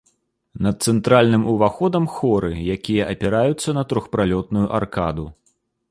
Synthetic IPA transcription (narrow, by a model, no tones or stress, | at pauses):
nɐt̪̚t̪sɛnt̪ɾalʲnɨmʔuvaxɔd̪ɐmxɔɾɨjakʲijɐʔɐpʲɛɾajut̪sːɐnɐt̪ɾɔxpɾalʲɔt̪̚nujuʔarka̰d̪u